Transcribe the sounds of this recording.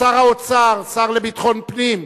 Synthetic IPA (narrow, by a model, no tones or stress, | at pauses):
aʁaot͡saʁsaʁlebit̪χɔnpʼnim